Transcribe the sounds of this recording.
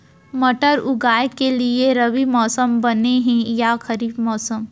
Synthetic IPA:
mɐʈəɾʊɡaːjekːelieɾɐʋimɔːsəmbɐneɦɛ̃jaxɐɾiːbmɔːsəm

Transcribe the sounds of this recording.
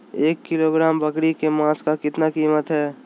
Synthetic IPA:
eːkːɪloɡɾaːmbɐkɽikemãːskakɪt̪nakiːmət̪ɦɛː

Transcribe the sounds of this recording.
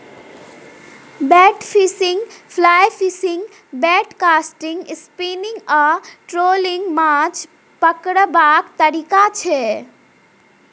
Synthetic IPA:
bɛːʈpʰisiŋɡpʰlaːjpʰisiŋɡ | bɛːʈkaːsʈiŋɡspinɪ̃ŋɡaʈɾoːliŋɡmat͡ʃ | pəkɽəbaːkt̪əɾikat͡ʃʰe

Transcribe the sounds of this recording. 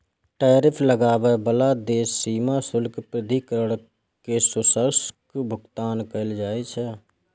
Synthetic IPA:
ʈaːɾɪpʰləɡaːwebəlad̪eːsːiːmasʊlkpɾɪd̪ʱikəɾəɽ | kesʊsəɾskbʱʊɡt̪aːnkəɪld͡ʒaːet͡ʃʰɛ

